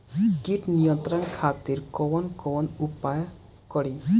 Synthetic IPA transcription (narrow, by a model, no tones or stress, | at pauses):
kiʈnijɔnt̪ɾɔnkʰat̪iɾkɔnkɔnupaj | kɔɽi